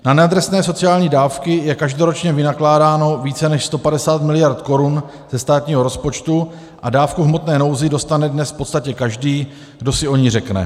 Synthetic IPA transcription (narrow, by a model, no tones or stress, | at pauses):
nanɛad̪ɾɛsnɛːso̞t͡sɪaːlɲiːdaːfkɪjɛkaʒdo̞ɾo̞t͡ʃɲɛvɪnaklaːdaːno̞viːt͡sɛnɛʃst̪o̞padɛsaːt̪mɪlɪjaɾt̪ko̞ɾun | z̥ɛst̪aːt̪ɲiːɦo̞ɾo̞spo̞t͡ʃt̪u | ʔadaːfkuɦmo̞t̪nɛːno̞wzɪdo̞st̪anɛdnɛsfpo̞t̪st̪acɛkaʒdiː | ɡdo̞sɪʔo̞ɲirɛknɛ̰